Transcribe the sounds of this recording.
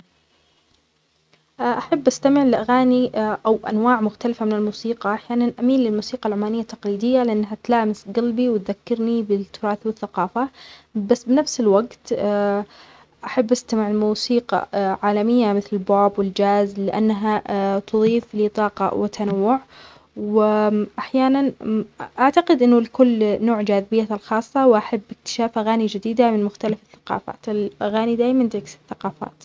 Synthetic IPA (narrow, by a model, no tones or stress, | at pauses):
ʔʔaħabːʔast̪amɪʕlɪʔaɣaːniʔawʔa̰nwaːʕmʊxt̪alafamɪnɪlmuːsiːqɑʔaħjaːnanʔamiːnlɪlmuːsiːqɑlʕʊmːaːnɪjːat̪ːɑqliːd̪ɪjːalɪʔanːɦat̪laːmɪsɡalbiwɪt̪ðakːɪɾnibɪt̪ːʊɾˤɑːθwɪθːaqɑːfabasːbɪnafsɪlwaɡt̪ː | ʔaħabːʔast̪amɪʕɪlmuːsiːqɑ̰ʕaːlamɪjːamɪθlɪlbaːbwɪld͡ʒaːzlɪʔa̰nːaɦat̪ʊðˤiːflɪt̪ˤɑːqɑ̰wɪt̪ʰːanawːʊʕ | wɪʔaħjaːnanʔaʕt̪aqɪd̪ʔɪnːʊlkʊlːnoːʕd͡ʒaːðɪbɪjːalxɑːsˤːɑwʔaħabːʔɪkt̪ɪ̥ʃaːfʔaɣaːnid͡ʒɪd̪iːd̪amɪnmʊxt̪alafɪ̥θːḁqɑ̰ːfa̰ːt̪ɪlʔaɣaːnid̪aːjmand̪ɪksɪ̥θːaqɑːfa̰ːt̪